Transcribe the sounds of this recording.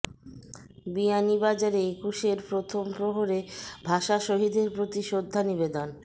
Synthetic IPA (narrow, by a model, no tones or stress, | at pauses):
bianibad͡ʑaɾeekuʃeɾpɾot̪ʰompɾoɦoɾebʱaʃaʃoɦid̪ʱeɾpɾot̪iʃod̪ʱːaniβed̪on